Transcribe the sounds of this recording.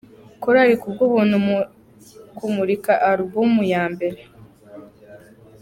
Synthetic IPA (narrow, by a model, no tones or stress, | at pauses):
kuɾaɾikubɡuβuːnhum | kumuɾikaʔaɾubumujaːmbe̞ɾe